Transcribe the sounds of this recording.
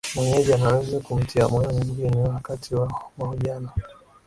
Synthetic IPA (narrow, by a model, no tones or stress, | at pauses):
mwɛɲɛʄanaanzikum̩tʰia̰mɔnamiɡuɡɛniwakatʰiwamaɔʄana